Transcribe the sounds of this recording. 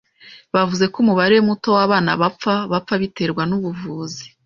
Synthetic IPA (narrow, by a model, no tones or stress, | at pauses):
βavuze̞kumuβaɾemuto̞waβaːna̰βap͡faβap͡faβite̞ɾɡwanuβuvuːzi̥